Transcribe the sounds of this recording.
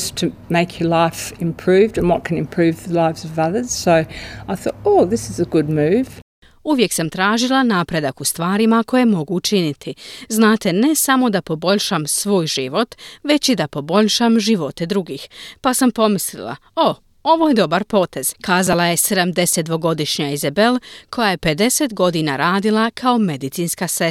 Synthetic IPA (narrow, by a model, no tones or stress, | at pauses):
stʰɨmeɪkʰjə˞laɪfɪ̃mpʰɹ̥ʉvdɨ̃nwʌt̚kʰɨ̃nɨ̃mpʰɹ̥ʉvðəlaɪfz̥ʌvʌðə˞z̥soʊaɪθɔ̰ɾoʊðɪsɨzəɡʊd̚mʉv̥ | uʋje̞ksamt̪ɾaːʒilˠanaːpɾe̞d̪akust̪ʋaːɾimako̞je̞mo̞ɡuːt͡ʃinit̪ʰiznaːt̪e̞ne̞samo̞d̪apo̞bo̞ʎʲʃamsʋo̞ːjʒiʋo̞t̪ʋe̞t͡ɕid̪apo̞bo̞ʎʃamʒiʋo̞t̪e̞d̪ɾuɡiːxpasampo̞mislḭlˠa̰o | o̞ʋo̞je̞d̪o̞baɾpo̞ːt̪e̞z̥kaːzalˠaje̞se̞d̪amd̪e̞set̪̚d̪ʋo̞ɡo̞d̪iʃɲaizabelˠkʰo̞jaje̞pe̞d̪e̞set̪ɡo̞d̪ina̰ɾaːd̪ilˠakʰao̞me̞d̪it̪sinskase